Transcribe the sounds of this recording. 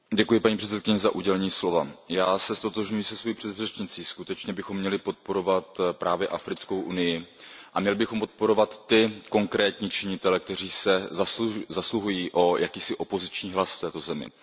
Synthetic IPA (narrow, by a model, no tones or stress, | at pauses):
ɟɛkujɪpaɲiːpr̝̥ɛt͡sɛt̪kɪɲɛzaʔuɟɛlɛɲiːslo̞vajaːsɛst̪o̞t̪o̞ʒɲujisɛsvojiːpr̝̥ɛd̪rɛt͡ʃɲɪt͡siːskut̪ɛt͡ʃɲɛbɪxo̞mːɲɛlɪpo̞t̪̚po̞ɾo̞vat̪pɾʔaːvjɛʔafɾɪt͡skowʔunɪjɪʔamɲɛlɪbɪxo̞mpo̞t̪̚po̞ɾo̞vat̪ːɪko̞ŋkɾɛːt̪ɲiːt͡ʃɪɲɪt̪ɛlɛk̚t̪ɛriːsɛzasuzasluɦujiːʔo̞jʔakiːsɪʔo̞po̞zɪt͡ʃɲiːɦlasft̪ɛːt̪o̞zɛmɪ̰